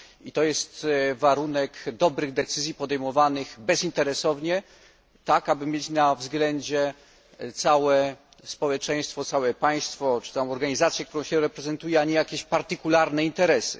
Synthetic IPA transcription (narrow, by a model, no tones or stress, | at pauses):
it̪ɔjɛst̪vaɾunɛkd̪ɔbɾɘɣd̪ɛt̪sɘzʲjipɔd̪ɛjmɔvanɘɣbɛzint̪ɛɾɛsɔvɲɛ | t̪akabɘmʲjet͡ɕnavzɡlɛɲd͡ʑɛ | t̪sawɛ | spɔwɛt͡ʂɛj̃st̪fɔt̪sawɛpaj̃st̪fɔt͡ʂɨ̥t̪sawɔ̃w̃ɔɾɡaɲizat̪sʲjɛkt̪uɾɔ̃w̃ɕɛɾɛpɾɛzɛnt̪ujɛaɲɛjakʲeɕpaɾt̪ɘkulaɾnɛint̪ɛɾɛsɘ̰